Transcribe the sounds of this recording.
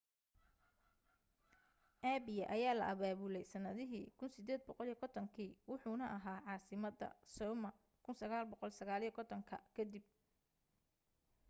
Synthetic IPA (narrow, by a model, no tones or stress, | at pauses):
ʔabɪjɐʔɐjaːlɐ̰ʔɐβaːβulɛjsɐnɐðɪɦiːkʰʊnsɪd̪ɛːd̪̚bɔqɔlijkʰɔt̪ʰɐŋkʰiːwʊħuːnɐʔɐɦaːʕɑːsɪmɐd̪ɐ̰sɔːmɐ | kʰʊnsɐɣaːlbɔqɔlsɐɣaːljɛkʰɔt̪ʰɔŋkʰɐ̰kʰɐd̪ib̚